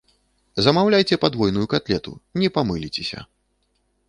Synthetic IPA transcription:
zɐmawlʲajt͡sʲɛpad̪vɔjnujukat̪lʲɛt̪ṵnʲɛpamɨlʲit͡sʲɛsʲɐ̰

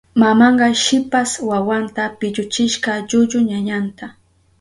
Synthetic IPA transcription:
mamɑɴɢɑʃɪpaswawant̪apɪʎʊt͡ʃɪʃqɑʎʊʎʊɲaɲant̪a

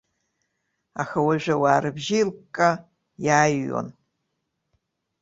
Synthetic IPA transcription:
a̰ːxɐwɐʒɐwaːrɨbʒilkʼːa | jaːjːo̰n

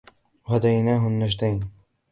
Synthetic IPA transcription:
had̪ajnaːɦʊnːaʒd̪ajn

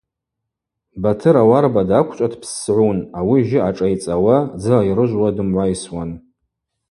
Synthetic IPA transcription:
batʰɨɾawarbadakʷʰt͡ʃʷʼatʰpʰsʕʷunawiʒɪaʈ͡ʂʼajt͡sʼawad͡zɨajrɨʒʷwadɨmʕʷajswan

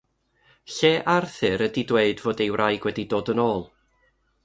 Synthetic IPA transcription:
ɬeːʔarθɨɾədidweɨdvoːdejwrʔajɡ̥wɛdidoːdənoːlˠ

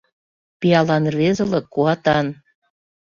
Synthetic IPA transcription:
piɑlɑnvezɤ̆lɤ̆kːuɑt̪ɑn

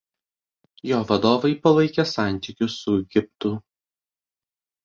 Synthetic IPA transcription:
joːʋɐd̪oːʋɐɪpɐlˠɐɪkʲɛsɑˑnʲt̪ʲɪkʲʊsʊɛɡʲɪpt̪ʊ

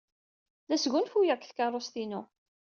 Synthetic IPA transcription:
ðæsɣʷʊnfujækθkɑrˤost̪inʊ

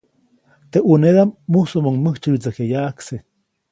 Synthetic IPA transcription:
t̪eʔuneðamːusomoŋməht͡ʃɨt͡sakejaʔkse

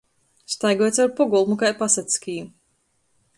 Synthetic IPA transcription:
st̪ajɡɔjt̪sawɾpɔɡɔlˠmukajpasat̪skʲiːu

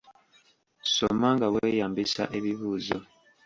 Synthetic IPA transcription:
so̞̰maŋɡaweːjaːmbisa̰ʔe̞βiβuːzo̰

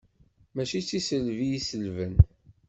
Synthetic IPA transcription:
mæt͡ʃit͡sːisəlvijisəlvən

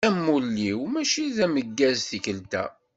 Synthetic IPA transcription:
æmːulːiwmæʃiðæməɡːæzθikəlt̪æ̰

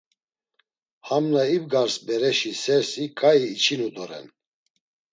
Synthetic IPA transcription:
hamnaibɡaɾsbɛɾɛʃisɛɾsikʼaiːt͡ʃʰinud̪ɔɾɛ̰n

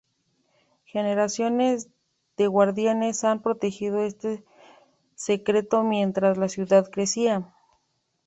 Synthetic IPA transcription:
xe̞ne̞ɾasjo̞ne̞z | ðe̞ɣwaɾðjane̞sampɾo̞t̪e̞xið̞o̞e̞st̪e̞ | se̞kɾe̞t̪o̞mje̞nt̪ɾazlasjuðaðkɾe̞sia

